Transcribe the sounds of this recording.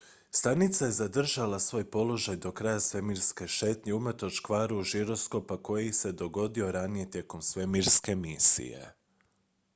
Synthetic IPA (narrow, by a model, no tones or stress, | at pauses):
st̪anit̪saje̞zad̪r̩ʒalasʋo̞ːjpo̞lo̞ʒajd̪o̞kɾajasʋe̞miɾske̞ʃe̞ːt̪ɲeumr̩t̪o̞t͡ʃkʋaːɾuʒiɾo̞sko̞pako̞jeiise̞d̪o̞ɡo̞d̪io̞ɾanije̞t̪je̞ko̞msʋe̞miɾske̞misḭje̞̰